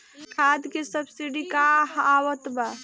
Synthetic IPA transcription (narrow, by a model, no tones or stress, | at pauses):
kʰad̪kesəbsiɖikaɦːwət̪ba